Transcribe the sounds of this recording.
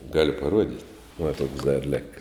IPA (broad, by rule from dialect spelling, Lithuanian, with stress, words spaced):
ˈɡɑːlʲʊ pɐˈruɔdʲɪtʲ ʋɐ tuɔks dɐr ˈlʲɪkɐ